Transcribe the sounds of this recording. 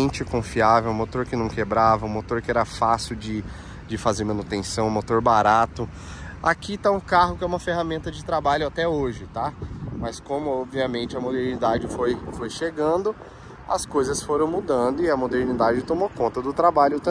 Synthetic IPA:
ẽt͡ʃɪkõfiavewũmot̪oɾkɪnɐ̃w̃kebɾavɐũmot̪oɾkɪɛɾɐfasɪwd͡ʒɪ | d͡ʒɪfazeɾmɐ̃nut̪ẽsɐ̃w̃mot̪oɾbaɾat̪ʊ | akit̪aũkaɦʊkɪɛũmɐfeɦamẽnt̪ɐd͡ʒɪt̪ɾabaʎʊat̪ɛoʒɪt̪amɐskõmʊɔbviɐmẽnt͡ʃɪɐmod̪eɾnid̪ad͡ʒɪfojfojʃeɡɐ̃d̪ʊ | ɐ̰skojzɐsfoɾɐ̃w̃mud̪ɐ̃d̪ʊɪɐmod̪eɾnid̪ad͡ʒɪt̪omokõnt̪ɐd̪ʊt̪ɾabaʎʊt̪ɐ̃

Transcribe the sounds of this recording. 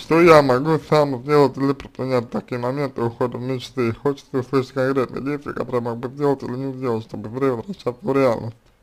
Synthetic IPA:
ʂt̪ojamɐɡusamzʲdʲe̞lˠətʲɪlʲɪpɾʲɪpɾʲɪnʲæt̚ʲt̪ɐkʲijəmɐmʲe̞nt̪ɨʊxod̪əvmʲɪt͡ɕt̪ɨxot͡ɕɪ̥t̪səʊslˠɨʂɨt̚ʲkankɾʲet̪nə̰jə̰dʲejsʲɪj̰ka̰t̪o̞ɾəjəmoɡbɨzʲdʲelˠətʲilʲɪnʲɪzʲdʲelˠətʲʂt̪o̞bɨzɾʲevəzɾɐɕːat̪əɾʲɪalʲnəsʲtʲ

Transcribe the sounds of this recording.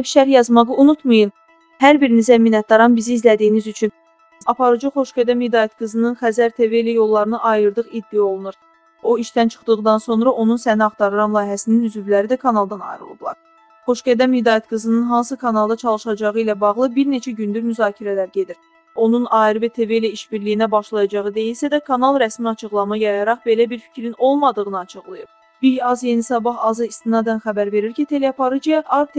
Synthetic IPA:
pʃæɾjɑzmɑʁɯunut̪mɯjɯn | hæɾbiɾinizæminæt̪̚d̪ɑɾɑnbiziːzlæd̪ijinizyt͡ʃʰyn | ɑpʰɑɾɯd͡ʒɯχo̞ʃɡæd̪æmid̪ɑːjɑt̪ɡɯzɯnɯnχæzæɾt̪ʰe̞ve̞læjo̞lˠːɑɾɯnɯʔɑjɯɾd̪ɯʁid̪ːijo̞lˠunuɾ | o̞iʃt̪ænt͡ʃʰɯ̥χd̪ɯʁɯd̪ɑnso̞nɾɑʔo̞nunsæniɑχt̪ʰɑɾɯɾɑmlˠɑːjɦæsininyzyvlæɾid̪ækʰɑnɑlˠd̪ɑnɑ̰jɾɯ̰lˠɯ̰b̪lˠɑ̰ɾ | χo̞ʃɡæd̪æmvid̪ɑːjæt̪ɡɯzɯnɯnɦɑnsɯkʰɑnɑlˠd̪ɑt͡ʃʰɑlˠɯʃɑd͡ʒɑʁɯilæbɑʁlˠɯbiɾne̞t͡ʃʰæɟynd̪yɾmyzɑːcʰiɾælæɾɟe̞d̪iɾ | o̞nunɑːiɾɯvet̪ʰe̞ve̞læiʃbiɾlijinæbɑʃlˠɑjɑd͡ʒɑʁɯd̪e̞jilsæd̪ækʰɑnɑlˠɾæsmiɑt͡ʃʰɯʁlˠɑmɯjɑjɑɾɑʁbe̞læbiɾfi̥cʰɾino̞lˠmɑd̪ɯʁɯnɯɑt͡ʃʰɯʁlˠɯjɯp | bijɑzje̞nisɑbɑɦɑzɯist̪inɑd̪ænxæbæɾve̞ɾiɾcʰit̪ʰe̞leɑpʰɑɾɯd͡ʒijɑʔɑɾt̪

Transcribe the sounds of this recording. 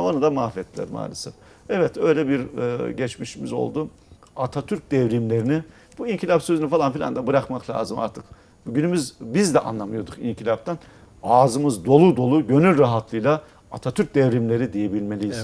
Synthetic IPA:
onud̪amafɛt̪ʰːilʲæ̰ɾma̰ːlʲesɛ̰f | ɛvɛt̪ø̞jlʲɛbiɾɟɛt͡ʃmiʃimizo̰lˠd̪u | at̪ʰat̪ʰyɾc̚d̪ɛvɾimlʲe̞ɾini | b̥uiɲcʰilʲapsøzynyfalˠanfilʲa̰nd̪abɯɾakmaklʲˠa̰ːzɯma̰ɾt̪ʰɯk | buɟynymyzbizd̪ɛʔa̰nlˠamɯjo̞d̪ukḭɲcʰilʲap̚t̪ʰan | aːzɯmɯzd̪o̞lˠud̪o̞lˠuɟø̞nylʲɾaɦat̪ʰlˠɯjlˠa | at̪ʰat̪ʰyɾc̚d̪ɛvɾimlʲe̞ɾid̪ijebilʲme̞lʲijiz̥

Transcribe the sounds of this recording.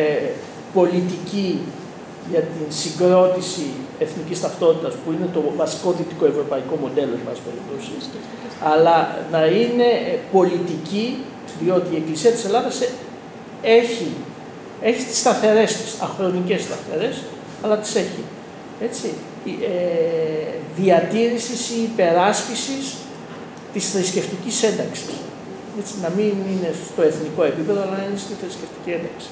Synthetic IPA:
po̞lit̪ici | ʝɐt̪insiŋɡɾo̞t̪isie̞θnicist̪ɐft̪o̞t̪it̪ɐspuine̞t̪o̞vɐsi̥ko̞ðit̪iko̞e̞vɾo̞pɐiko̞mo̞d̪e̞lomespelḭpt̪osis | ɐlɐnɐine̞po̞lit̪ici | ðio̞t̪iːe̞klisiɐt̪ise̞lɐðɐs | e̞çi | e̞çist̪i̥st̪ɐθe̞ɾe̞st̪i̥sɐxɾo̞nice̞st̪ɐθe̞̰ɾe̞s | ɐlɐt̪i̥se̞çḭ | e̞t͡si | e | ðiɐt̪iɾisisiːpe̞ɾɐscisis | t̪isθɾisce̞ft̪icise̞nd̪ɐksi̥s | e̞t͡sinɐminine̞st̪o̞e̞θniko̞e̞pipe̞ðoɐlɐnɐinest̪iθɾisce̞ft̪i̥cie̞nd̪ɐksi̥

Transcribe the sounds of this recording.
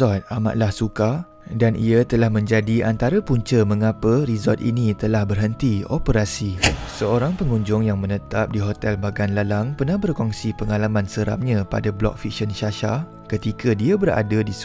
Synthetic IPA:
ɔt̪̚ama̰ʔ̪̚lahsuka | danʔḭat̪əlahmə̃ɲd͡ʒadiant̪aɾapuɲt͡ʃəməŋapərizɔt̪ʔḭnĩt̪əlahbərɦənt̪iopəɾasisəoɾaŋpəŋũɲd͡ʒʊŋjaŋmə̃nət̪ap̚diɦot̪ɛlbaɡanlalaŋpərnahbərkɔŋsipəŋalamãnsəɾa̰p̚ɲãpa̰dablɔ̰k̚fik̚ʃənʃaʃa | kət̪ikadiabəɾa̰dadis

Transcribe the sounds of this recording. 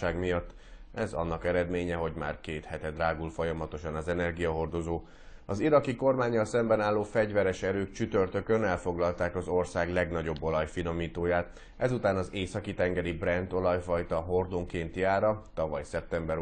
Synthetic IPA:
aːɡmijɒt̪ːɛzɒ̰nːɒkɛɾɛd̪meːɲɛɦo̞ɟma̰ːrkeːt̪hɛt̪ɛd̪raːɡulfo̞jɒmɒt̪o̞ʃɒnɒzɛnɛrɡijɒɦo̞rd̪o̞zoː | ɒziɾɒkiko̞rmaːɲːɒlsɛmbɛnaːlːoːfɛɟvɛɾɛʃɛɾøːkt͡ʃyt̪ørt̪ø̞kønɛlfo̞ɡlɒlt̪aːkɒzo̞rsaːɡlɛɡnɒɟo̞bːo̞lɒjfino̞miːt̪oːjaːt̪ | ʔɛzut̪aːnɒzeːsɒkit̪ɛŋɡɛɾibrɛnd̪o̞lɒjfɒjt̪ɒɦo̞rd̪oŋkeːnt̪jaːɾɒt̪ɒvɒjsɛp̚t̪ɛmbɛɾ

